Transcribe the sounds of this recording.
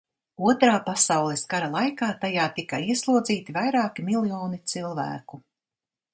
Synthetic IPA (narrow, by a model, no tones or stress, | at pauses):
uɔt̪ɾaːpasawlˠɛskaɾalˠajkaːt̪ajaːt̪ikɐiɛslˠuɔd̪ziːt̪ivajɾaːkimilˠjɔːnit̪silˠvæ̰ːku